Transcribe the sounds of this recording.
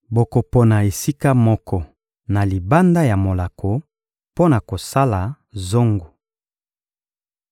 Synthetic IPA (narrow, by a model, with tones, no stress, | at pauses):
bo˨ko˨po˨na˨e˨si˦ka˦mɔ˦kʰɔ˦ | na˨li˨ba˦nda˦ja˨mo˨la˨kʰo˨ | po˦na˨ko˨sa˦la˨ | zo˦ŋɡo˨